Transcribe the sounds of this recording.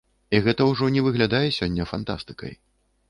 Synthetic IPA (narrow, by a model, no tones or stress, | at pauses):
iɣɛt̪ɐwʐɔnʲɛvɨɣlʲad̪ajɛsʲɔnʲːɐfant̪a̰st̪ɨ̥kɐ̰j